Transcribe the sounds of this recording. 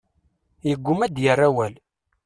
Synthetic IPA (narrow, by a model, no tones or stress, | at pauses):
jəɡʷːʊmæd̪jərːæwæl